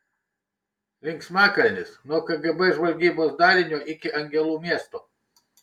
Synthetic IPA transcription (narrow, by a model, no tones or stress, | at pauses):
lʲɪŋʲksʲmʲæːkɐlʲnʲɪsnuɔkɐɡɐbɛʒʋɐlʲɡʲiːboːsd̪ɑːɾʲɪnʲoːʔɪkʲɪʔɐŋʲɡʲɛlˠuːmʲiɛst̪oː